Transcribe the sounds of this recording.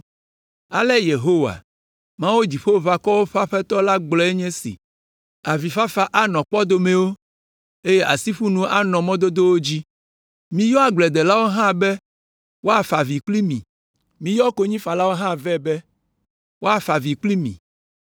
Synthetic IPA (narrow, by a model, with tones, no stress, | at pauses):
a˨lɛ˦je˨ɦo˦wa̰˨ | mã˦wo˦d͡ʑi˨ɸo˦va˨kɔ˦wo˦ɸa˦ɸɛ˦t̪ɔ˦la˦ɡ͡blɔ˨˦ɛ˦ɲɛ̃˦sḭ˨ | a˨vi˨fa˦fa˦ʔa˦nɔ̃˨k͡pɔ˦d̪o˦mẽ˨wo˦ | e˦je˦ʔa˨si˦ɸu˦nũ˦ʔa˦nɔ̃˨mɔ̃˦d̪o˦d̪o˦wo˦d͡ʑi˦ | mĩ˦jɔ˦a˨ɡ͡blɛ˨d̪ɛ˨la˦wo˦ɦã˦bɛ˦ | wo˦a˨fa˨vi˨k͡pli˦mḭ̃˨ | mĩ˦jɔ˦ko˦ɲĩ˦fa˨la˦wo˦ɦã˦vɛ˦bɛ˦ | wʔo˦a˨fa˨vi˨k͡pli˦mḭ̃˨